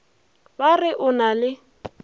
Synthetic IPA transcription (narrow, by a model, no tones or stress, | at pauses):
barɪʔʊnalɪ